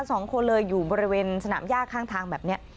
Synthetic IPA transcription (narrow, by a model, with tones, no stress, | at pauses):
sɔː˩˦ŋkʰo˧nlɤː˧jːuː˨˩bɔː˧ɾi˦˥weː˧nsa˧na̰ː˩˦mjaː˥˩kʰːaː˥˩ŋt̪ʰaː˧ŋbɛː˨˩p̚ni˦˥ɐ